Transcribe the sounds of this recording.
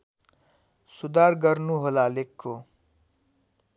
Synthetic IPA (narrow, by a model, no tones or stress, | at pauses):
sud̪aːɾɡəɾnuɦolaːlekʰːo